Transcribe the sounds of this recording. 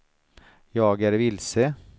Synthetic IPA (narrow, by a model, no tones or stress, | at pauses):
jɑːɡæɾʋɪlsə